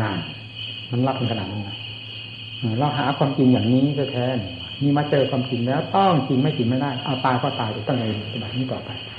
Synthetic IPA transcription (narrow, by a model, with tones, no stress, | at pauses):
aː˧˩n | ma˧˨nla˦˥p̚t̪ʰa˧ŋkʰa˧naː˨˩niː˧˩a˧˩ | ʔɯː˧˩ɾa˧˩wɦa̰ː˩˦kʰwaː˧mt͡ɕi˧ŋjaː˨˩ŋniː˦˥sʰt̪ʰɛː˧˥˩n | miː˧˥˩maː˧˥t͡ɕɤː˧kʰwaː˧mt͡ɕi˧nlɛː˦˥wt̪ɔ˥˩ŋt͡ɕi˧ŋma˥˩jt͡ɕi˧ŋma˥˩jdaː˥˩jʔa˧wt̪aː˧jkʰɔː˧˩t̪aː˧jt̪a˨˩t̪ɔ˥˩ŋka˧e˧npi˨˩t̪sʰa˧ba˨˩t̪̚niː˦˥˩t̪ɔː˨˩pa˨˧j